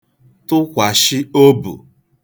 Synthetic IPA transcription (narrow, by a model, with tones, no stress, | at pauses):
tʊ˦kʷa˨ʃɪ˦o˦bṵ˨